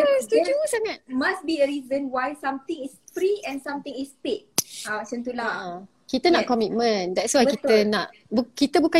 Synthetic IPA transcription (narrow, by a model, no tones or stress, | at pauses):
ud͡ʒusaŋat̚masbiəɹizə̃nwajsãmt̪ĩŋisfɾiɛ̃nsãmt̪ĩŋispet̚at͡ʃə̃nt̪ula | kit̪ənaʔkɔmit̚mə̃ndɛtswajkit̪ənaʔ | bukit̪əbukã